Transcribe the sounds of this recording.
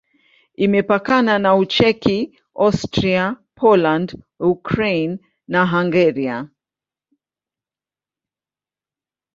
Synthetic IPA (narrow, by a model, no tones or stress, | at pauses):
imɛpakananaut͡ʃɛki | astɾiapʰɔland | ukɾejnː | aɦaŋɡɛɾia